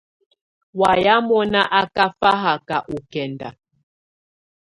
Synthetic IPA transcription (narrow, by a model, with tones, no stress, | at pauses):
wa˨ja˦mɔ˦na˦ʔa˦ka˦fa˦ɦa˨ka˨ʔu˨kɛ˨nda̰˨